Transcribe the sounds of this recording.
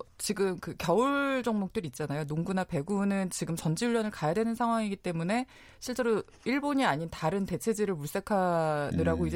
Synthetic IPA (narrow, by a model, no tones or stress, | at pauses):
t͡ɕiɡɯmkɯkjʌuɭd͡ʑʌŋmok̚t͈ɯɾit̚t͡ɕ͈anajonoŋɡunape̞ɡunɯnt͡ɕiɡɯmt͡ɕʌnd͡ʑiuʎːjʌnɯɭkajadwe̞nɯnsʰaŋɦwaŋiɡit͈e̞mune̞ | ɕʰiɭt͡ɕ͈e̞ɾo | iɭboɲiaɲintaɾɯnte̞t͡ɕʰe̞d͡ʑiɾɯɭmuɭs͈e̞kʰanɯɾaɡoid͡ʑe